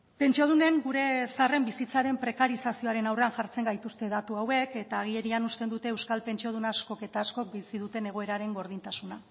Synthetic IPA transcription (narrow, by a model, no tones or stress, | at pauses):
pe̞nt͡ʃioð̞une̞ŋɡuɾe̞sare̞mbisit͡saɾe̞mpɾe̞kaɾisasio̞aɾe̞nawre̞anʝaɾt͡se̞ŋɡajt̪ust̪e̞ð̞at̪uawe̞ke̞t̪aːɣ̞ie̞ɾianust̪e̞nd̪ut̪e̞ːwskalpe̞nt͡ʃio̞ð̞unaːsko̞ke̞t̪aːsko̞k̚bisiðut̪e̞ne̞ɣ̞o̞e̞ɾaɾe̞ŋɡo̞ɾðint̪asuna